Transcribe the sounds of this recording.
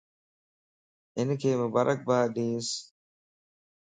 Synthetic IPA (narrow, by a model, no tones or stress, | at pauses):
enəkeːməbɐɾʔɐk̚baːɗiːs